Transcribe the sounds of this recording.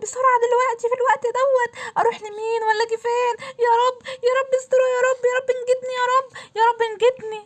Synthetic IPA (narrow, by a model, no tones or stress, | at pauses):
besˤɑɾˤʕad̪elwæʔt̪ifilwæʔt̪ʔæd̪æwːæt̪ʔɑɾˤuːħlemiːnwælːæɡefeːnjæːɾˤɑbːjæːɾˤɑbːest̪oɾujæːɾˤɑbːjæɾˤɑbːenɡed̪nijæːɾˤɑbːjæɾˤɑbːenɡed̪ni